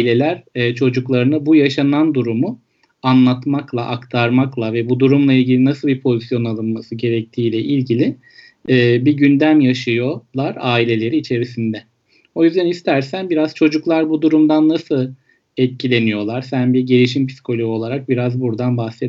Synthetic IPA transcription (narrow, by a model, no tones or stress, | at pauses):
lʲe̞lʲæɾːt͡ʃʰo̞d͡ʒuklˠaɾɯnabujaʃanand̪uɾumu | anlˠat̪maklˠaʔakt̪ʰaɾmaklˠavɛbud̪uɾumlˠailʲɟilʲinasɯlˠbiɾpʰo̞zisjo̞nalˠɯnmasɯɟe̞ɾɛc̚t̪ʰiːlʲɛʔilʲɟilʲɪː | biɟynd̪æmjaʃɯjo̞lˠaɾaːilʲe̞lʲe̞ɾiːt͡ʃʰe̞ɾisind̪ɛ | o̞jyzd̪ænist̪ʰæɾsænbiɾaz̥t͡ʃʰo̞d͡ʒuklˠaɾbud̪uɾumd̪anːasɯlˠ | ɛt̪̚cʰilʲe̞nijo̞lˠaɾsænbiɾɟeɾiʃ̬impʰi̥si̥kʰo̞lʲojo̞lˠaɾak̚biɾazbuɾd̪anbahse